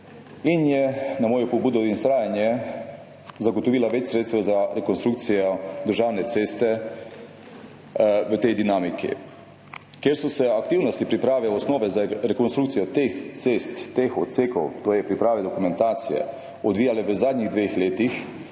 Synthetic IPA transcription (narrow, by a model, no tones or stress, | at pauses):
injɛnamoːjɔpɔbuːd̪ɔinst̪ɾaːjanjɛ | zaɡɔt̪ɔʋiːlaʋɛt͡ʃsɾeːt̪st̪ʋɛzaɾɛkonst̪ɾuːk̚t̪sijɔd̪əɾʒaːwnɛt̪seːst̪ɛ | ʋət̪ejd̪inaːmikḭ | kjeɾsɔsɛakt̪iːwnɔst̪ipɾipɾaːʋɛɔsnoːʋɛzaɾɛkonst̪ɾukt̪sijɔt̪ext̪seːst̪ːexɔt̪seːkɔ̰wt̪oːjɛpɾipɾaːʋɛd̪ɔkumɛ̃nt̪aːt̪sijɛ̰ | ɔd̪ʋiːjalɛʋəzaːd̪ɲiɣd̪ʋexleːt̪ix